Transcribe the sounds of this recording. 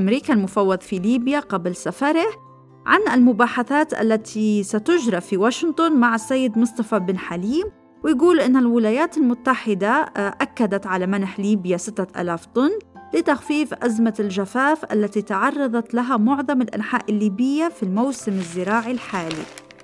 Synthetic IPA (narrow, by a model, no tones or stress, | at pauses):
ʔamɾiːkalmʊfɑwːɑðˤfiliːbjaqablsafɑɾˤɪ | ʕa̰nɪlmʊbaːħaθaːt̪ʔa̰lːat̪ʰisat̪ʊd͡ʒɾˤɑfiwaːʃɪnt̪ˤʊnmaʕasːajːɪd̪mʊsˤt̪ˤɑfabɪnħaliːm | wɪjɡuːlʔɪnːalwɪlaːjaːt̪ɪlmʊt̪ːaħɪd̪aʔakːad̪at̪ʕalamanħliːbjasɪt̪ːaʔa̰ːlaːft̪ˤʊnːlɪt̪axfiːfʔazmalʒafaːfʔa̰lːat̪it̪ɑʕɑrˤːɑðˤɑt̪laɦamʊʕðˤɑmɪlʔa̰nħaːʔɪlːiːbɪjːafilmawsɪmɪzːɪɾɑːʕilħaːlḭ